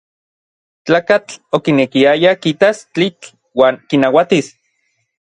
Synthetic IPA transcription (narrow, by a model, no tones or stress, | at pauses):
t͡ɬaːkat͡ɬokinekiajakit̪ast͡ɬit͡ɬ | waːŋkinawat̪is